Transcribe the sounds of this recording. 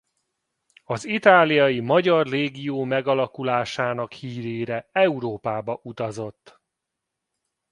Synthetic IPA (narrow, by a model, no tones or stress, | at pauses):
ɒzit̪aːlijɒjimɒɟɒrreːɡijoːmɛɡɒlɒkulaːʃaːnɒkhiːɾeːɾɛɛuɾoːpaːbɒʔut̪ɒzo̞t̪ː